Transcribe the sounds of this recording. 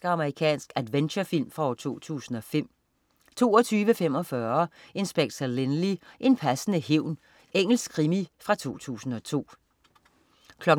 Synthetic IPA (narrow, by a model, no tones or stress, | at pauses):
ɡ̥əɑ̈məʁikʰɛ̰ːnsɡ̥æd̥ʋenɕɐfil̰mfʁɑ̈ɒ̰ːt͡sʰo̝̰ːt͡sʰṵːsn̩ɒ̽fem̰ | t͡sʰo̝̰ːɒt͡sʰyːʋəfem̰ɒ̽fɶɐe̝nsb̥eɡ̥sælenliʔe̝npʰæsənəhe̝ʊ̰n | eŋ̰l̩sɡ̥ʰʁimifʁɑ̈t͡sʰo̝̰ːt͡sʰṵːsn̩ɒ̽t͡sʰo̝̰ː | kʰlɒ̽ɡ̥